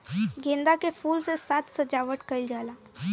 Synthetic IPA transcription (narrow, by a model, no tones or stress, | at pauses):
ɡẽnd̪akefuːlsesat̪səd͡ʒaʋəʈkəjld͡ʒala